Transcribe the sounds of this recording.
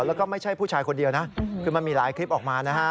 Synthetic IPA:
wlɛː˦˥wkɔː˥˩ma˥˩jt͡ɕʰa˥˩jpʰuː˥˩t͡ɕʰaː˧jkʰo˧ndi˧ɐwna˦˥ʔkʰɯː˧ma˧nmiː˧ɾaː˩˦jkʰli˦˥p̚ʔɔː˨˩k̚maː˧na˦˥kʰa˦˥

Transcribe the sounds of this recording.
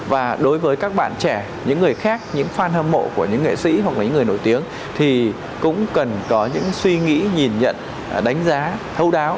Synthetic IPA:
vaː˨˩ɗo˨˦jvəː˨˦jkaː˦˥k̚ɓa̰ː˧˨nt͡ɕɛ˧˩ | ɲɨ̰˧˥ŋːɨ˨˩əjxaː˦˥k̚ɲɨ̰˧˥ŋfaː˧nhəː˧mːo̰˧˨ku˧˩əɲɨ̰˧˥ŋḛ˧˨sḭ˧˥ɦwa˨˩klaː˨˩ɲɨ̰˧˥ŋ˨˩əjno˧˩jt̪i˨˦əŋ | t̪ʰi˨˩ | kʊ̰˧˥ŋ͡mkə˨˩nkɔ˨˦ɲɨ̰˧˥ŋswi˧ŋḭ˧˥ɲi˨˩nɲə̰˧˨n | ɗa˨˦jŋ̟zaː˨˦t̪ʰə˧wɗaː˨˦w

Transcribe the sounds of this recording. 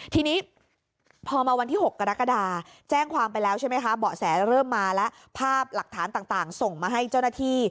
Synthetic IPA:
t̪ʰiː˧niː˦˥ | pʰɔː˧maː˧wa˧nt̪ʰiː˥˩ho˨˩kːa˧ɾa˦˥ka˧daː˧t͡ɕɛː˥˩ŋkʰwaː˧mpa˧jlɛː˦˥wt͡ɕʰa˥˩jma˦˥jkʰa˦˥bɔː˨˩sɛː˩˦ɾɤː˥˩mːaː˧lɛ˦˥ʔ | pʰaː˥˩p̚la˨˩k̚t̪ʰaː˩˦nt̪aː˨˩ŋt̪aː˨˩ŋso˨˩ŋmaː˧ɦa˥˩jt͡ɕa˥˩wnaː˥˩t̪ʰiː˥˩

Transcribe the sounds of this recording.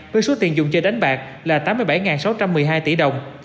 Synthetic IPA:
vəː˨˦jso˨˦t̪i˨˩ənzʊ˨˩ŋ͡mt͡ɕe˧nɗa˨˦jŋ̟ɓaː˨˩k̚ | laː˨˩t̪aː˨˦mːɨ˧jɓa˧˩jŋaː˨˩nsa˨˦wt͡ɕa˧mːɨ˨˩jɦaː˧jt̪i˧˩ɗə˨˩wŋ͡m

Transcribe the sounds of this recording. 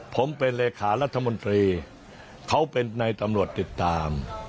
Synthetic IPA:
pʰo˩˦mpe˧nleː˧kʰaː˩˦ɾa˦˥t̪ʰːa˧mo˧nt̪ɾiː˧ | kʰa˦˥wpe˧nːa˧jt̪a˧mɾu˨˩ət̪ːi˨˩t̪ːaː˧m

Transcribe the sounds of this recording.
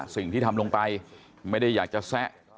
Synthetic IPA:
sḭ˨˩˨ŋʰi˨˦˥t̪ʰa˧mlu˧ŋt̪a˧j | mə˨˦˥ɗi˧jzaː˨˩k̚t͡ɕɔ˧saː˦˥ʔ̚

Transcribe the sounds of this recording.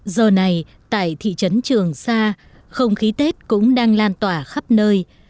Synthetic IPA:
zəː˨˩na˨˩j | t̪a̰ː˧˨jt̪ʰḭ˧˨t͡ɕə˨˦nt͡ɕɨ˨˩əŋsaː˧ | xə˧wŋ͡mxi˨˦t̪e˦˥t̚kʊ̰˧˥ŋ͡mɗaː˧ŋlaː˧nt̪waː˧˩xa˦˥p̚nəː˧j

